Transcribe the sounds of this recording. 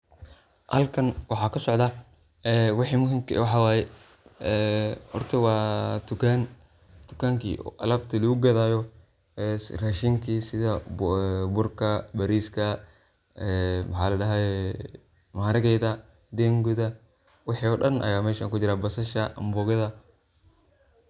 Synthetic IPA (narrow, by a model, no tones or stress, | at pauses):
hɐ̰lkʰɐnwɑħɑːkʰɐsɔʕd̪ɐ | ɛːwɑħiːmʊɦɪmkʰwɑħɑːwaːjɛ | ɛhɔ̰rt̪ʰɐwɑːt̪ʰʊkʰaːn | t̪ʊkʰaːŋkʰḭːʔɔ̰ːʔɐ̰laːbt̪ʰɐlɐɡʊɡɐðaːjɔ | ɛrɐʃiŋkʰiːsɪðɐ | bʊrkʰɐbɐɾiːskʰɐ | ɛmɐħɑ̰ːlɐɖɐɦɛ | mɐaɾɐɣɛjðɐ | d̪ɛːŋɡʊðɐ | wɑħiːɔːɖɐnʔɐ̰jaːmɛːʃaːŋkʊd͡ʒɪɾaːbɐsɐʃɐʔɐ̰mbɔːɣɐðɐ